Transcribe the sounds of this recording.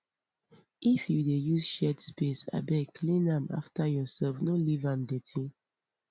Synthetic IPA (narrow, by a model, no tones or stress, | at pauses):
ifjudejuzʃɛdspesa̰bɛkʰlĩnãma̰ftajɔsɛlfnolivãmdetʰĩ